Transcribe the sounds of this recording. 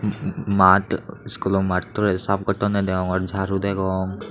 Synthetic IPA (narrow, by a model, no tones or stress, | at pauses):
matskulɔmattɔɹɛsap̚ɡɔtɔnɛd̪ɛɔŋɔɹd͡ʒʱaɾud̪ɛɡɔŋ